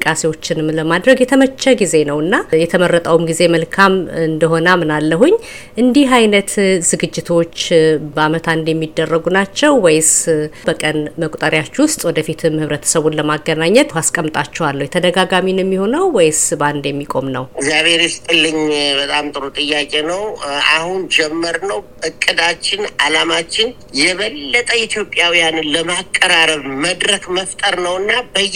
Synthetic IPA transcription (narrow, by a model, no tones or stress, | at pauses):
kʼːasewo̞t͡ʃːɪnɨmːləmad̪ɾəɡjɛt̪ʰəmət͡ʃːəɡize̞nəwɨnːajɛt̪ʰəmərːət̪ʼawumɡize̞məlkʰamɨnd̪əɦo̞namɨnalːəɦuɲː | ʔɨnd̪ihɦajnət̪zɨɡɨd͡ʒːɪt̪ʰo̞t͡ʃːbəamət̪ʰand̪jɛmːid̪ːərːəɡunat͡ʃːɛwːɔjɪsbəkʼənməkʼt̪ʼəɾjat͡ʃːwʊst̪ʼwɔd̪əfit̪ʰɨmhɨβɾət̪ʰə̥səβunləmaɡːənaɲːɛt̪askʼəmːt̪ʼat͡ʃːɛwalːəwjɛt̪ʰəd̪əɡaɡaminjɛmːiho̞nəwwɔjɪsband̪jɛmːikʼo̞mnəwɪɡzjaβheɾist̪ʼɨlːɨɲbət̪ʼamt̪ʼɨɾot̪ʼɨjːakʼenəwʔa̰hund͡ʒɛmːəɾnəwʔɨkʼːɨd̪at͡ʃːɪnalamat͡ʃːɪn | jɛβəlːət̪ʼəit̪ʰjo̞pʼjawijanləmakʼːəɾaɾəβməd̪ɾəkməft̪ʼəɾnəwɨnːabəj